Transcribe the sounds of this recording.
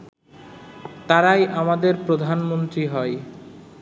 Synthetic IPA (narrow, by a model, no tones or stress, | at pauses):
t̪aɾajʔamad̪eɾpɾod̪ʱanmont̪ɾiɦɔe